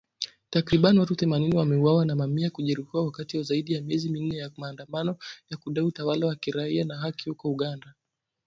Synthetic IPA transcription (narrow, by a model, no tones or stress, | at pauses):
takɾiɓaniwatuθɛmaniniwamɛuwawanamamiakuʄɛɾihiwawakatiwazaiɗijamiɛzimin̩ɛjamaːndamanɔjakuɗaiutawalawakiɾaianaɦakiukɔuɠanda